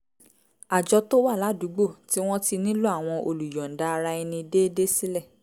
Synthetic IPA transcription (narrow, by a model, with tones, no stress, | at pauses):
a˨d͡ʒɔ˧to˦wa˦˨la˨˦du˨˦ɡ͡bo˦˨ti˦w̃ɔ̃˦ti˧nĩ˦lu˦a˦˨w̃ɔ̃˧ʔo˧lu˨jɔ˨n̩˨da˧ɾa˧ɛ˧nĩ˧i˧de˦de˦si˦lɛ˦˨